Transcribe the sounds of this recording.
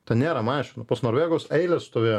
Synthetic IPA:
t̪ʲɛnʲeːɾɐmɑːʃʲɪnɐpɐsnoːɾʋʲeːɡoːsɛɪlʲɛsst̪oːʋʲeːjo

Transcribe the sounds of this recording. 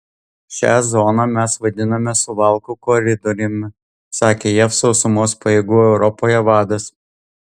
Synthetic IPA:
ʃʲæ̰ːzɔnɑmʲæsʋɐd̪ʲɪnɐmʲɛsʊʋɑˑlˠkukɔɾʲɪd̪ɔɾʲɪmʲ | sɑːkʲeːjɛfsɔʊsʊmoːspɐjeːɡuːɛʊɾɔpoːjɛʋɑːd̪ɐs

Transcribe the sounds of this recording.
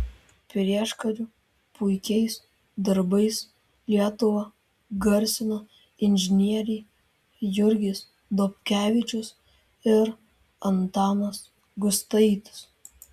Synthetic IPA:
pʲɾʲiɛʃkɐɾʲʊ | pʰʊɪkʲɛɪs | d̪ɐɾbɐɪs | lʲiɛt̪ʊʋɐ | ɡɐɾʲsʲɪno | ɪnʲʒʲɪnʲiɛɾʲɛː | jʊɾʲɡʲɪs | d̪ɔpʲkʲæːʋʲɪt͡ʃʲʊs | ɪɾ | ɐnt̪ɑːnɐs | ɡʊst̪ɐɪt̪ʊ̥s

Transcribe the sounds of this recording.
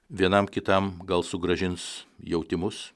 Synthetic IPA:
ʋʲiɛnɐmkʲɪt̪ɐmɡɐlˠsʊɡɾɐʒʲɪnsjɛʊt̪ʲɪmʊs

